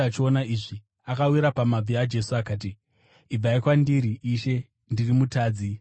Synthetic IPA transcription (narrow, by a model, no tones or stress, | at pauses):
at͡ʃio̞naiʐi | akawiɾapamab͡viad͡ʒe̞suakaːt̬i | ib͡vaikwandiɾiʔiʃe̞ | ndirimutaːd͡zi